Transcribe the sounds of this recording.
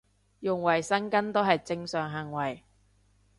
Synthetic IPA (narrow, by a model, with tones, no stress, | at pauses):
jʊ˨ŋwɐ˨˩jsɐ˥nkɐ˥nt̪o˥ɦɐ˨jt͡sɪ˧ŋsœː˨˩ŋɦɐ˨˩ŋwɐ˨˩j